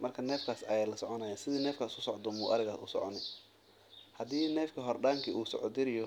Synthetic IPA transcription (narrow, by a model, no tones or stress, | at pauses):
mɐrkʰɐnɛːfkʰaːsɐjɛlɐsɔʕɔnɐjansɪðiːnɛːfkʰaːsʊsɔʕd̪ɔmbuːʔɐɾɪɣaːsʊ̰sɔ̰ʕɔnɪ | hɐd̪iːnɛːfkʰɐɦɔrɖaːŋkʰiʔuːsɔ̰ʕɔd̪ɪɾɪjɔ